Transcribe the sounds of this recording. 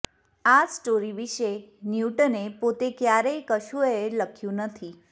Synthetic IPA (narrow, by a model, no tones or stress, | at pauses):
asʈoɾiʋiʃenjuʈənepot̪ekjaɾejkəʃueləkʰjũnət̪ʰi